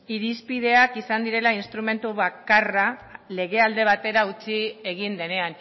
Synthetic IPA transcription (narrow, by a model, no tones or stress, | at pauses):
iɾispið̞e̞akisand̪iɾe̞lainst̪ɾume̞nt̪uβakarale̞ɣ̞e̞ald̪e̞β̞at̪e̞ɾaut͡sieɣind̪e̞ne̞an